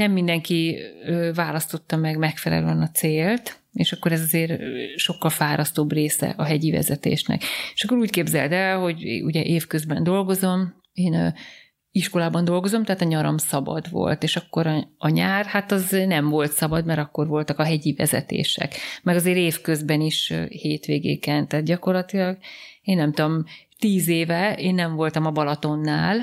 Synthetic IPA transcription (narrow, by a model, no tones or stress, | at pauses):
nɛmːind̪ɛŋkiøːvaːlɒst̪o̞t̪ːɒmɛɡmɛkfɛlɛ̰løɛnɒt̪seːlt̪ | eːʃɒkːoɾɛzɒzeːrʃo̞kːɒlfaːɾʔɒst̪oːbreːsɛ̰ʔɒɦɛɟivɛ̰zɛt̪ḛːʃnɛ̰ke̥ʃɒkːo̞ɾuːckeːbzɛ̰ld̪ɛlho̞ɟuɟɛʔeːfkø̞zbɛnd̪o̞lɡo̞zo̞m | eːn | iʃko̞laːbɒnd̪o̞lɡo̞zo̞mt̪ɛɦːt̪ɒɲɒɾo̰msɒbɒ̰d̪ʋo̰lt̪eːʃɒkːo̞ɾɒɒɲaːrhat̪ɒznɛɱvo̞lt̪sɒbɒd̪mɛɾɒkːo̞rvo̞lt̪ɒkɒɦɛɟivɛ̰zɛ̰t̪ḛːʃɛ̰kmɛɡɒzeːɾeːfkø̞zbɛniʃheːt̪ʋeːɡḛːkɛnt̪ɛt̪ɟɒko̞rlɒt̪ilɒɡeːnːɛmt̪uomt̪iːzeːvɛeːnːɛɱvo̞lt̪ɒmɒbɒlɒt̪o̞nːaːl